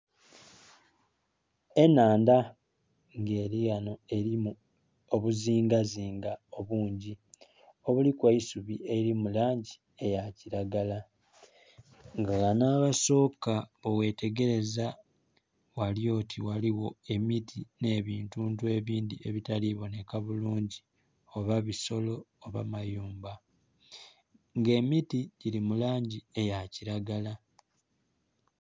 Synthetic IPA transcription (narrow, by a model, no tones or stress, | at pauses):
e̞naːnda | ŋɡe̞ːɾiɣano̞e̞ɾimu | oβuziːŋɡaziːŋɡao̞βuːɲɟi | o̞βulikwaisuβiʔeiɾimulaːɲɟi | e̞jaciɾaɡala | ŋɡaɣanaːβaso̞ːkaβowe̞ːte̞ɡe̞ɾe̞za | waljo̞ːtʰiwaliwo̞e̞mitʰine̞ːβiːntuːntuwe̞βiːndieβitaliβo̞ne̞kaβuluːɲɟi | o̞βaβiso̞lo̞ːβamajuːmba | ŋɡe̞mitiɟiɾimulaːɲɟie̞jaciɾaɡala